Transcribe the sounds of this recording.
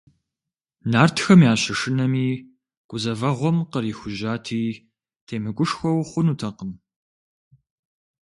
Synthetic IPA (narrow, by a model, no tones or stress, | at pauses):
naːrtʰxɐmjaːɕɐʂɨnɐmiː | ɡ̥ʷʊzɐvɐʁʷɔmqəɾiːxʷʊʒaːtʰiː | tʰeːmɨkʷʼʊʂxʷɔwχʷʊnutʰɐqəm